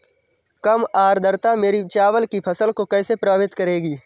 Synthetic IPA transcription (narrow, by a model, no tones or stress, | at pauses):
kɐmaːɾd̪ʱəɾt̪ameːɾit͡ʃaːʋəlkipʰɐsəlkokɛːsepɾɐbʋɪt̪kɐɾeːɡiː